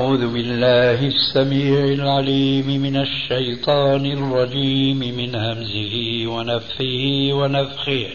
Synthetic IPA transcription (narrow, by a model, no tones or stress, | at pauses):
ʕuːðʊbɪlːaːɦɪsːamiːʕɪlʕaliːmɪmɪnaʃːajt̪ˤɑːnɪrˤːɑd͡ʒiːmɪmɪnhamzɪhɪwanafħɪhɪwanafxɪh